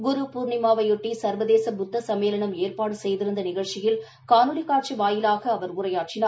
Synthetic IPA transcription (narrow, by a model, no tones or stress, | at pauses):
ɡʊɾupuːɾɳɪmaːʋɐjɔʈːisɐɾʋɐðeːsɐbʊd̪ːɐsɐmeːlɐɳɐmeːrpaːɽɯsɛjðɪɾɯnd̪ɐnɪɣɐɻt͡ʃɪjɪl | kaːnɯɽikaːʈ̚t͡ʃiʋaːjɪlaːɣɐːʋɐɾʊrɐjaːʈ̚t͡ʃɪnaːɾ